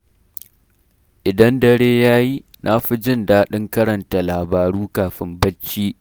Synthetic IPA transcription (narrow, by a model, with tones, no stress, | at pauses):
ʔɪ˨dɐ˦ndɐ˨ɽeː˦jaː˦ji˦ | nʔa˦ɸi˦d͡ʒɪ˦˨nda˦ɗɪ˦ŋkɐ˦ɾɐ˨nta˨laː˨baː˨ɽuː˦kaː˨ɸɪ˦mbɐ˦t͡ʃːiː˦